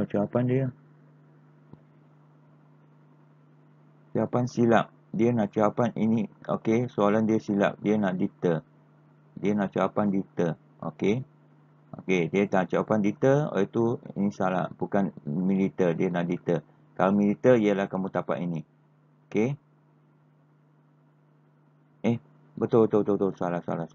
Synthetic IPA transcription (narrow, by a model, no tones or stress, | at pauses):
at͡ʃawapandiə | t͡ʃaapansilap̚ | diənãʔt͡ʃaapanʔḭnio̰kesoalandiəsila̰p̚diənaʔdit̪ə | diənãʔt͡ʃaapandit̪ə | o̰ke | o̰kediənaʔt͡ʃaapandit̪əo̰it̪uḭnĩsala̰hbukanmĩlit̪ədiənaʔdit̪ə | kalomilit̪əriəlahkamut̪apa̰ʔini | oke | eh | bət̪ʊbət̪obət̪obət̪osalahsa̰la